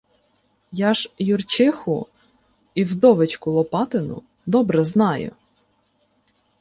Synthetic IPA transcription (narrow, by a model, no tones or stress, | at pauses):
jɑʒjʊrt͡ʃɪxʊ̰ | iwd̪ɔʋɪt͡ʃkʊlˠɔpɑt̪ɪnʊ̰ | d̪ɔbɾɛznɑjʊ̰